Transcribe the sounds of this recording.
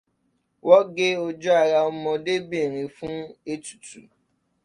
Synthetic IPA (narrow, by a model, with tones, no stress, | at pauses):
wɔ˦ɡe˦o˦d͡ʒɔ˦a˦˨ɾa˧ɔ˦mɔ̃˧de˦be˦˨ɾ̃ĩ˨fũ˦e˦tu̥˨tṵ˨